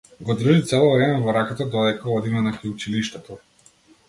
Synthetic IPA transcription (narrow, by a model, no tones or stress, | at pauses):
ɡɔd̪r̩ʒit̪sɛlˠɔvɾɛmɛvɔɾakat̪ad̪ɔd̪ɛkaɔd̪imɛnakajut͡ʃiliʃt̪ɛt̪ɔ